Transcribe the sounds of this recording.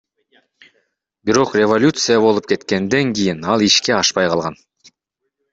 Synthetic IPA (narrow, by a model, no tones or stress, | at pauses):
biɾo̞qrʲevolʲut̪sɨjaβo̞lˠup̚ke̞t̪ke̞nd̪e̞ŋkʲijinɑlˠiʃke̞ɑʃpɑjqʰɑlˠʁɑn